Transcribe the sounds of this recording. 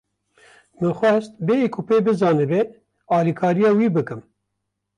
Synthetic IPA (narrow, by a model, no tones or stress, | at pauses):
mɨxʷɛst̪̚beːjikʰupeːbɨzɑːnɨbe | ɑːlikʰɑːɾijɑːwiːbɨkɨm